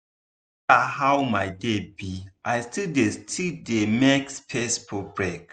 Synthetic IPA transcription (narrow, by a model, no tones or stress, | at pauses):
ahawmaɪdebiʔajstildestʰidemɛkspʰɛspʰɔbɹek